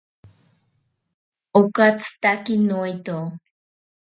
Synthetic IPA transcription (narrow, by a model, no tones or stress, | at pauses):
okat͡st̪akinuit̪o